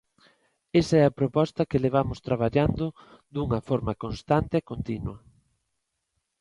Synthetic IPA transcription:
esaɛɐpɾopɔst̪ɐkeleβ̞amʊst̪ɾaβ̞aʎand̪o | d̪uŋɐfoɾmɐkonst̪ant̪eɛkont̪inwɐ

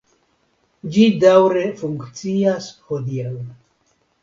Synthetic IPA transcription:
d͡ʒidawɾefuŋkt͡siashod̪ial

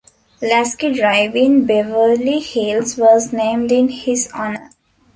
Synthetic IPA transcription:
læskiɖɾaɪʋɪ̃nbeʋəlihilsʋɔːznẽːmɖɪ̃nhɪzɔːnəɾ

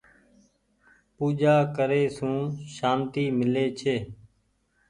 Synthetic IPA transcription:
puːd͡ʒaːkəɾeːsũːʃaːnt̪iːmɪleːt͡ʃʰeː

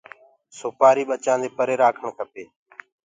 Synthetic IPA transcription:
soːpaːɾiːɓət͡ʃãːnd̪eːpəɾeːɾaːkʰəɳkʰəpeː

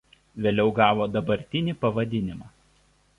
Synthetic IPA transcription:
ʋʲeːlʲɛʊɡɑːʋoːd̪ɐbɐɾʲt̪ʲɪnʲɪˑpɐʋɐd̪ʲɪnʲɪmɑː

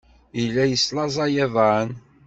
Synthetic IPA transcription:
ilːæjəslɑzˤɑjæðˤən

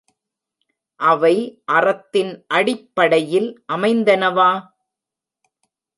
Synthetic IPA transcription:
ʔɐʋɐɪʔɐrɐt̪ːɪnʔɐɽɪpːɐɽɐjɪlʔɐmɐɪnd̪ɐnɐʋaː

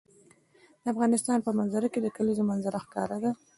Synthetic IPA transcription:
d̪əafɣɑnɪst̪ɑnpəmanzaɾaked̪əkalizomanzaɾaxkɑ̰ɾad̪a

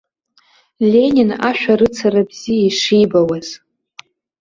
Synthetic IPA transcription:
lʲe̞nʲinaʃᶣaɾɨt͡sʰaɾabz̥ijaiʂijbawaz̥

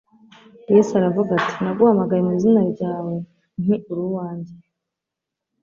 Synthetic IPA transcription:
jesaɾavuɡatʰi̥naɡuhamaɡajemuizinaɾɟaːwe̞ | n̥iuɾuwaːɲɟe

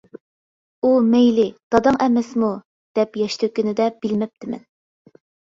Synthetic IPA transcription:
umɛjlɪd̪̥ɑd̪ɑŋʔɛmɛsmu | d̪̥ɛpjɛʃt̪ʰɪkʲynɪd̪ɛb̥ilmɪp̚t̪ʰɪmɛ̰n

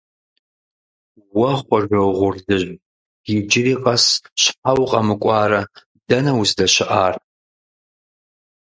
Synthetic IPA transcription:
waχʷaʒʷowʁʷʊrdɨʒʷ | ɡ̥id͡ʒɪɾiːqʼasʃħawqʼamɨkʷʼɑːɾɐ | dɐnɐwsdɐʃɪʔaːr

